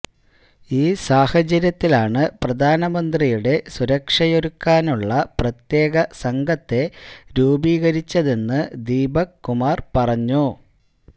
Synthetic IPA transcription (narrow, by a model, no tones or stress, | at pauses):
iːsaːhɐd͡ʑɐɾjɐt̪ːilaːɳɨprɐd̪ʱaːnɐmɐnd̪rijuɽe̞suɾɐkʂɐjoɾukːaːnuɭːɐprɐt̪je̞ːɣɐsɐŋɡʱɐt̪ːe̞ɾuːbiːɣɐɾit͡ɕːɐðe̞nːɨd̪iːbɐkːumaːrpɐrɐɲːu